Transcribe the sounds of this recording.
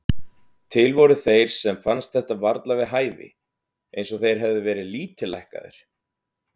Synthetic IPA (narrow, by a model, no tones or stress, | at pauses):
t̪ʰɪlvɔɾʏθejɾ̥sɛmfanst̪̚θɛht̪avaɾt̪lavɪðɦaːjvɪ̰ | ejnsɔɣθejɾ̥ɦɛvðɪvɛːɾɪðliːt̪ʏlajhka̰ðɪ̰ɾ̥